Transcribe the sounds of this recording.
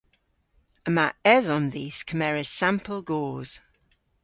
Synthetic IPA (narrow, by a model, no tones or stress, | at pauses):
əmaʔɛðə̃nðiːz̥kʰəmɛɹə̥sãmpʰəlˠɡɔːz̥